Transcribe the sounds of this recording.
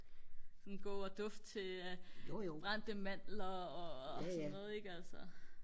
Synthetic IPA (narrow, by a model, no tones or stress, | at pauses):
sɒnnɡ̥o̝̰ːɒd̥ɔfd̥̚t͡sʰe̝ | b̥ʁan̰d̥əmæn̰lɐɒ̽ɒsnɔːð̩ˠeɡ̥ælsɐ